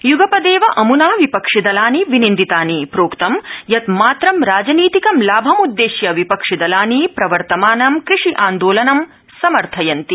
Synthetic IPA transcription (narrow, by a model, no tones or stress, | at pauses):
juɡɐpɐd̪eːʋɐʔɐmunaːʋipɐkʂid̪ɐlaːniʋinind̪it̪aːnipɾoːkt̪ɐmjɐt̪maːt̪ɾɐmɾaːd͡ʒɐniːt̪ikɐmlaːbʱɐmud̪ːeːʃjɐʋipɐkʂid̪ɐlaːnipɾɐʋɐɾt̪ɐmaːnɐmkɾiʂiʔaːnd̪oːlɐnɐm | sɐmɐɾt̪ʰɐjɐnt̪i